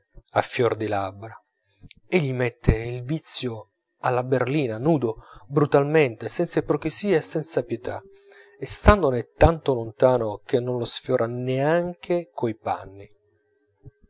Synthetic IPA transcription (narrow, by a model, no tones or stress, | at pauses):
afːjɔrd̪ilabɾa | eʎːimet̪ʰːeilvit̪sjo | alːaberliːnanuːd̪obɾut̪alment̪esɛnt̪sapɾokisiːaesːɛnt̪sapjet̪a̰ | est̪and̪onet̪ːant̪olont̪aːnok̟enːonlosfjɔːɾʔaneaŋkʰekʰoipa̰nːi